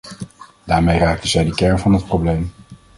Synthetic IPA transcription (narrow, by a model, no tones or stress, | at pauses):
daːɹmejraːk̚təzɛjdəkɛɹnvɑnɦət̚prowblejm